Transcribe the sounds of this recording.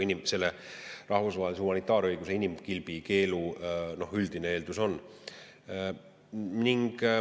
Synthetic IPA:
inʲimse̞lːe | rɑhvusvɑɦelisehumɑnit̪ːˑɑːɾɤjɡ̥use̞inimkilb̥ike̞ːluno̞hyld̪̥inee̞ːld̪uso̞nː | niŋɡ̥

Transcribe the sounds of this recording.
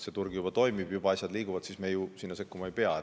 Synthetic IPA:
se̞t̪urɡjub̥ɑt̪o̞jmib̥jub̥ɑɑsʲjɑd̪liːɡ̥uvɑd̪̥sismejusinːɑse̞kːumɑejpeɑ

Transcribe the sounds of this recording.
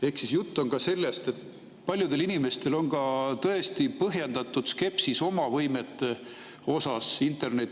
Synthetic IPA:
e̞hksisjut̪ˑːo̞nkɑse̞lːe̞st̪e̞t̪ː | pɑlʲjud̪e̞linime̞st̪e̞lo̞nkɑt̪ɤe̞st̪ipɤɦjend̪̥ɑt̪ˑːud̪̥ske̞psiso̞mɑvɤjmet̪ːˑe | o̞sɑsint̪ˑe̞rne̞t̪ː

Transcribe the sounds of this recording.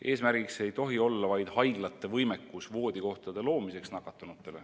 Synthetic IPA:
ʔe̞ːsmæɾɡ̥iksee̞jt̪o̞ɦio̞lːɑvɑjd̪̥hɑjɡ̥lɑt̪ːˑe̞vɤjme̞kːusvo̞ːd̪̥ʲiko̞ht̪ɑd̪̥e̞lo̞ːmise̞ksnɑkːˑɑt̪ːˑunut̪ːˑe̞le̞

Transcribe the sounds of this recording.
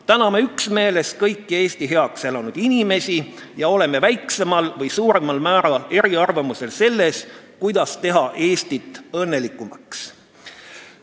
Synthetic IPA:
t̪ænɑme̞yksme̞ːle̞skɤjkːie̞ːst̪iɦe̞ɑkse̞lɑnud̪̥inime̞si | jɑo̞le̞me̞væjksemɑlvɤjsuːɾe̞mɑlmæːɾɑle̞ɾiɑrvɑmuse̞lse̞lːe̞skujd̪̥ɑst̪e̞ɦɑʔe̞ːst̪it̪ːˑɤ̞nːe̞likːˑumɑ̰ks

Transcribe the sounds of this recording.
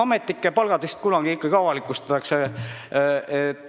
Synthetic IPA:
ɑmet̪ːˑikːˑepɑlɡ̥ɑd̪̥est̪̚kulɑɡ̥iikːˑɑɡ̥ikɑwɑlikˑust̪ɑt̪ːˑɑkse | et̪ːˑ

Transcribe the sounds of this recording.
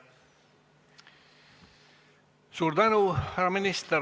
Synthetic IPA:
suɾd̪anuɾamɪnɪst̪ə

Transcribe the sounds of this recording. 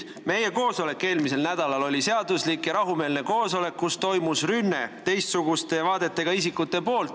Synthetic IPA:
me̞je̞ko̞ːso̞le̞kːˑe̞ːlmis̬e̞lnæd̪̥ɑlɑlo̞lʲise̞ɑd̪̥uslikjɑɾɑɦume̞ːlneko̞ːso̞le̞kːust̪o̞jmusrynːe̞t̪e̞jst̪suɡ̥ust̪e̞vɑːd̪̥e̞t̪ːˑe̞ɡ̥ɑisikːˑut̪ːˑe̞po̞ːlt̪ː

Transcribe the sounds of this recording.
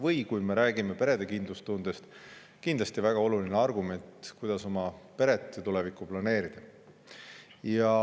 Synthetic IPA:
vɤjkujme̞ɾæːɡime̞pe̞ɾe̞d̪̥e̞kind̪lust̪und̪est̪ | kind̪lɑst̪ivæɡ̥ɑo̞lulineɑrɡume̞nt̪kujd̪̥ɑso̞mɑpe̞ɾe̞t̪ːˑet̪ulɛvikːˑuplɑne̞ːɾid̪̥ɑ | jɑ

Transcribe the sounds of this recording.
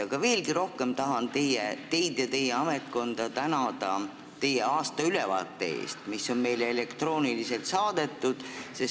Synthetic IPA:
ɑɡ̥ɑve̞ːlɡiɾo̞hke̞mt̪ɑɦɑnt̪e̞jet̪e̞jd̪̥jɑt̪e̞jːeɑme̞t̪ko̞nd̪̥ɑt̪ænɑd̪̥ɑ | t̪e̞jːeɑːst̪ɑylɛvɑ̰ːt̪ːˑe̞ḛːst̪misːo̞nme̞jleele̞kt̪ro̞ːnilise̞lt̪sɑːd̪̥e̞t̪ːˑud̪̥ses

